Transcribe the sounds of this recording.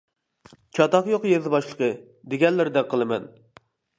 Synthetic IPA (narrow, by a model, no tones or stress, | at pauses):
t͡ʃʰɑt̪ɑqjoqjezɨbɑʃlˠəqʰə | d̪eɡʲɛnlːɪɾɪd̪ɛqʰəlˠɨmɛ̰n